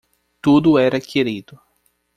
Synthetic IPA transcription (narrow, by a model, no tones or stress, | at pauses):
t̪ud̪ʊɛɾɐkʰeɾid̪ʊ